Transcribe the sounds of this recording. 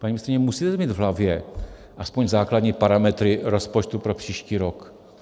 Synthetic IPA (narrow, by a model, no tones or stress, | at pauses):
paɲimɪst̪ɾɪɲɛmusiːt̪ɛmiːd̪vɦlavjɛ | ʔaspoɲzaːklad̪ɲiːpaɾamɛt̪ɾɪɾospot͡ʃt̪upɾopr̥iːʃciːɾok